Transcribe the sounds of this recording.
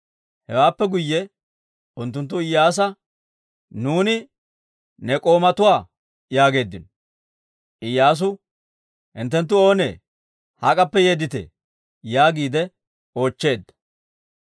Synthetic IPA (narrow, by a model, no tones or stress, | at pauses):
hɛwaːpːɛɡʊjːɛ | ʊnt̪̬ːʊnt̪̬ːʊɪjːaːs̬ɐ | nuːnɪ | nɛkʼo̞ːmɐt̪ʊwaː | jaːɡe̞ːd̪ːɪnɔ | ʔɪjːaːs̬ʊ | hɪnt̪ːɛnt̪̬ːʊo̞ːnḛː | hɐkʼɐpːɛjeːd̪ɪt̪ɛ̰ | jaːɡiːd̪ɛ | o̞ːt͡ʃːe̞ːd̪ːɐ̥